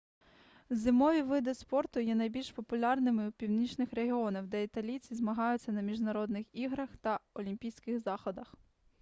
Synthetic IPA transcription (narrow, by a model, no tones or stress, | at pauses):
zɪmɔʋʲiʋɪd̪ɪspɔrt̪ʊjɛnɐjbʲilʲʃpɔpʊlʲɑrnɪmɪwpʲiwnʲit͡ʃnɪxɾeɦʲɪɔnɪwd̪ɛit̪ɐlʲit͡sʲizmɐɦɑjʊt͡sʲːɐnɐmʲiʒnɐɾɔd̪nɪxiɦɾɐxt̪ɐɔlʲimʲpʲijsʲkɪxzɑxɔd̪ɐx